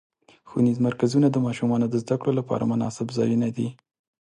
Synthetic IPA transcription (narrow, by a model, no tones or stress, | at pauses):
xunizmaɾkazunad̪əmɑʃumɑnod̪əzd̪akɽolapɑ̰ɾa̰mʊnɑ̰sɪbzɑjunad̪i